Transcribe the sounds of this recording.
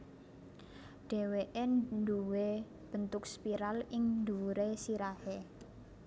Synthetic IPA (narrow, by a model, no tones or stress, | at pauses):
ɖ̥ɛ̤weʔennduwe | b̥ə̤nt̪ʊk̚spiɾalɪŋnd̪uɾesiɾahe